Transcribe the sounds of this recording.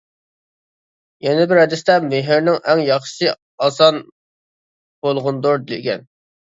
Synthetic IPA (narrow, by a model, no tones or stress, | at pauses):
jɛnɪbɪɾɛd̪ɪst̪ɛmeɦɪɾnɪŋʔɛŋjɑχʃʃsɨ | ɑsɑn | b̥olˠʁʊnd̪oɾd̪ɪlɪkʲɛ̰n